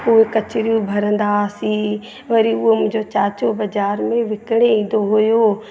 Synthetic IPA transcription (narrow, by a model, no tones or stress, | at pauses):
ʊɦekɐt͡ɕɾijũbʱɐɾə̃nd̪asi | ʋɐɾiʊɦemʊ̃ɦɲd͡ʑot͡ɕaːt͡ʃobɐd͡ʒaːɾmẽʋɪkɽ̃eĩːnd̪oɦojo